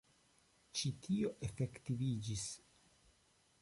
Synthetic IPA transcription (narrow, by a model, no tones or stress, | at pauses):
t͡ʃitʰioʔe̞fe̞ktivid͡ʒis